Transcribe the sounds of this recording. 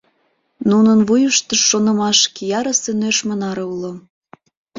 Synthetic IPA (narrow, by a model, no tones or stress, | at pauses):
nunənβujəʃt̪əʃːonə̆mɑʃkijɑɾəsenøʃmə̆nɑɾɤulo